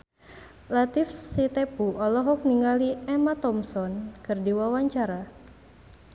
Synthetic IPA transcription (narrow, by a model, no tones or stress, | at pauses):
lat̪ifsit̪epuʔɔlɔɦɔk̚niŋaliɛmat̪ɔmsɔnkɨrdiwawaɲt͡ʃaɾa